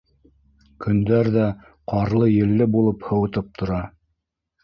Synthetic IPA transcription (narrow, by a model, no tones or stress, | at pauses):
kɵ̆nd̪æɾðæ | qɑɾlˠɤjɘ̆lːɘbulˠɤphɤ̆wɤ̆t̪ɤp̚t̪ʰŏɾɑ